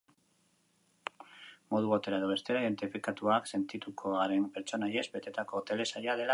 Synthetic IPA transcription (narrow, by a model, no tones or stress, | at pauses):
mo̞ð̞uβot̪e̞ɾaeðoβe̞st̪e̞ɾaiðe̞nt̪ifikat̪uakse̞nt̪it̪ukʰo̞aɾe̞mpeɾt͡ʃo̞naje̞zbe̞t̪e̞t̪ako̞t̪e̞le̞saʎaðe̞la